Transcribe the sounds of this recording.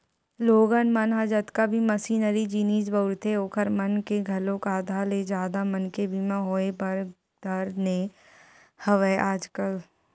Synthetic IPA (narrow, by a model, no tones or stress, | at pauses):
loːɡənmənɦad͡ʒət̪kabʱiməsiːnəɾid͡ʒiniːd͡ʒbəʊɾt̪eoːkʰəɾmənkeɡʱɐlõkaːd̪ʱaled͡ʒjaːd̪amənkebʱimãɦoːebɐɾ | d̪ʱɐɾne | hɐʋəʔaːd͡ʒkəl